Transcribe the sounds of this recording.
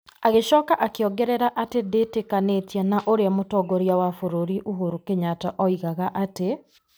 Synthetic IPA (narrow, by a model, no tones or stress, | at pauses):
aɣeʃɔːkaʔakeɔɡɛɾɛɾaʔatedetekanetjanaʔoɾeamotɔːɡoɾjawafoɾoɾiʔuɦoɾukeɲataʔɔiɣaɣaʔate